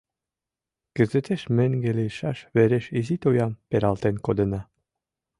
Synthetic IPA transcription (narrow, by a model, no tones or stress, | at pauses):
ɡ̥ə̆zĕt̪eʃmĕŋɡeleʃɑʃβeɾeʃizit̪ojɑmpeɾɑlt̪enkod̪ə̆nɑ